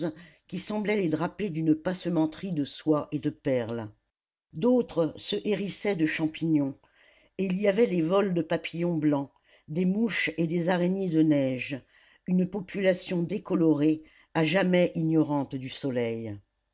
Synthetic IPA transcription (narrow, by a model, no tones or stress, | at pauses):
kʲisɑ̃blɛled̪ʁaped̪ynpasəmɑ̃t̪χid̪əswaʔed̪əpɛʁl | d̪ot̪χəsəʔeʁisɛd̪əʃɑ̃piɲɔ̃ | eiliavɛd̪evɔld̪əpapijɔ̃blɑ̃ | d̪emuʃed̪ezaʁenjed̪ənɛʒ | ynpɔpʰylasjɔ̃d̪ekɔlɔʁe | aʒamɛʔiɲjɔʁɑ̃t̪d̪ysɔlɛj